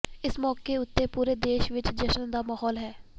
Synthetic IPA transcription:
ɪsmɔːkeʊt̪ːeːpuːɾeːd̪eːʃʋɪt͡ʃd͡ʒəʃənd̪aːmaːɦɔːlɦɛː

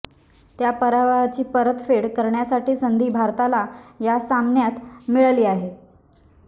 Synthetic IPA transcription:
t̪japəɾaʋəɦat͡ɕiːpəɾət̪feɽkəɾɳjasaʈiːsənd̪ʱiːbʱaɾt̪alajasamnjat̪miɭliːaɦe

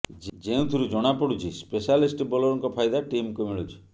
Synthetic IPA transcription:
d͡ʒd͡ʒeũt̪ʰuɾud͡ʒɔɽ̃apɔɽut͡ʃʰispesalisʈbɔlɔɾɔŋkɔpʰajd̪aʈimkumiɭut͡ʃʰi̥

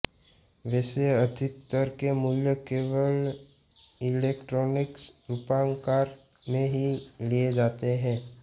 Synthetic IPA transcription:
ʋɛːseəd̪ʱɪt̪t̪əɾkemʊljəkeːʋəl | ɪleːkʈɾɔːnɪksɾupãːŋkaːɾ | mẽɦilijed͡ʒaːt̪eɦɛ̃ː

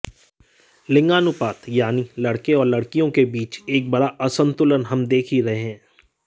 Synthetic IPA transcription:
lɪ̃ŋɡaːnʊpaːt̪jaːnilɐɽkeɔːɾlɐɽkijõkebiːt͡ʃeːk̚bɐɽaʔɐsə̃nt̪ʊlənɦɐmd̪eːkʰiɾɐɦeɦɛ̃ː

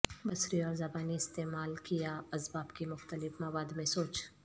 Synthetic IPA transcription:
bɐsɾiɔːɾzɐbaːniɪst̪eːmaːlkijaɐsbaːbkimʊxt̪əlɪfmɐwaːd̪mẽsoːt͡ʃ

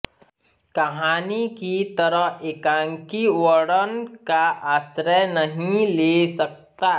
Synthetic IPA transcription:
kɐɦaːnikit̪ɐɾəɦeːkãːŋkiʋəɽənkaʔaːsɾənəɦĩlesɐk̚t̪a

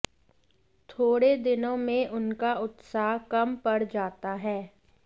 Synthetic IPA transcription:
t̪ʰoːɽed̪ɪnõmẽʔʊnkaʊt̪saːɦkɐmpɐɽd͡ʒaːt̪aɦɛː

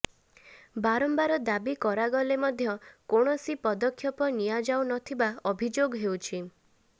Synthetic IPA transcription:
baɾɔmbaɾɔd̪abikɔɾaɡɔlemɔd̪ʱjɔkoɽ̃ɔsipɔd̪ɔkʰjɔpɔnijad͡ʒawnɔt̪ʰibaɔbʱid͡ʒoɡɦewt͡ʃʰi

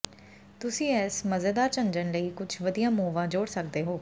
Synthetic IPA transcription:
t̪ʊsĩːɛːsməzeːd̪aːɾt͡ʃə̃nd͡ʒənləiːkʊd͡ʒʰʋəd̪ijãːmoːʋãːd͡ʒoːɽsək̚d̪eːɦoː

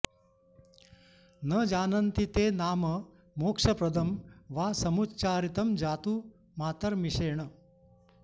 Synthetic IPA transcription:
nəd͡ʒaːnɐnt̪it̪eːnaːmə | moːkʂɐpɾɐd̪ʱɐmʋaːsɐmutt͡ʃaːɾit̪ɐmd͡ʒaːt̪uː | maːt̪əɾmiʂeːɳə

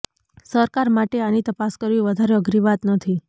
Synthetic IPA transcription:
səɾkaɾmaʈeanit̪əpaskəɾʋĩʋəd̪ʱaɾeəɡɾiʋat̪nət̪ʰi

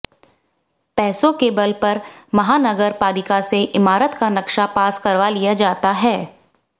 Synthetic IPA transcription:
pɛːsõkebəlpɐɾmɐɦaːnɐɡəɾpaːlɪkaseʔɪmaːɾət̪kanɐkʃapaːskɐɾʋalijad͡ʒaːt̪aɦɛː

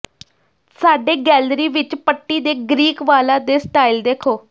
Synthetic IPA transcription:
saːɖeːɡɛːlɾiːʋɪt͡ʃpəʈːiːd̪eːɡɾiːkʋaːlãːd̪eːsʈaːiːld̪eːkʰoː

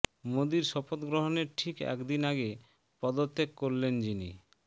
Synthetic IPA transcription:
mod̪iɾʃɔpot̪ɡɾoɦoneɾʈʰikɛ̰kd̪inaɡe | pɔd̪ot̪ʰːekːoɾlend͡ʑini

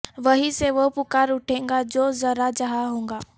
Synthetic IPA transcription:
ʋɐɦiseʋopʊkaːɾʊʈʰẽːŋɡad͡ʒoːzɐɾad͡ʒaɦaɦũːŋɡaː

